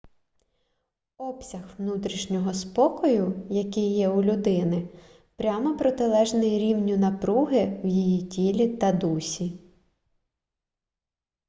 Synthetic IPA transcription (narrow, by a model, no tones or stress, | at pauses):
ɔpsʲɐxwnut̪ɾʲiʃnʲɔɦɔspɔkɔjʊjɐkɪjːɛʊlʲʊd̪ɪnɪ | pɾʲamɔpɾɔt̪ɪlˠɛʒnɪjɾʲiwnʲʊnɐpɾuɦɪwjijitʲilʲit̪ɐd̪usʲi